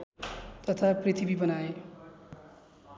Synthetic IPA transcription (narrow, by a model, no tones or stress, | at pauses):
t̪ʌt̪ʰaprit̪ʰibibʌnae